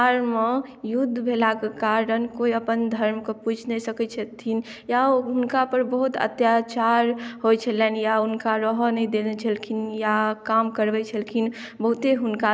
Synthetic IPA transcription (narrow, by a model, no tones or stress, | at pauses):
aɾmejud̪ʱːbʱelakekaɾɾənkoiəpənd̪ʱəɾmkepud͡ʒʰʱnɛsəkɛt͡ʃʰət̪ʰːinjaɦunkapəɾbəɦut̪ʰə̰t̪jat͡ʃaɾɦojt͡ʃʰəlɛnjaunkaɾəɦnəid̪elet͡ʃʰəlkʰinjakamkəɾbɛt͡ʃʰəlkʰin | bəɦut̪eɦunka